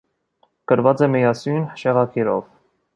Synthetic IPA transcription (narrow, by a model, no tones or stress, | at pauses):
kəɾvɑt͡sɛmɛjɑsujnʃɛʁɑkʰɛɾɔ̰v